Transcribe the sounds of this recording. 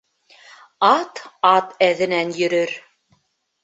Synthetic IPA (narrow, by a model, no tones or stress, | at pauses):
ɑt̪ɑt̪æðɘ̆nænjɵ̆ɾɵɾ